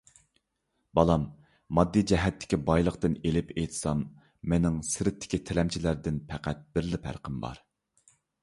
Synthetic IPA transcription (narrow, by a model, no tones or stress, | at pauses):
bɑlˠɑmː | ɑd̪ːid͡ʒɛɦɛt̪ʰːɪ̥kʲʰibɑjlˠəqt̪ɨnelɪpejt̪ʰsɑmː | ɛnɪŋsɪɾɪt̪ʰːɪ̥kʲit̪ʰɪlɛmt͡ʃʰilæɾd̪ɪnpʰæqʰæt̪̚b̥ɪɾlɪpʰæ̰ɾqʰəmbɑ̰ɾ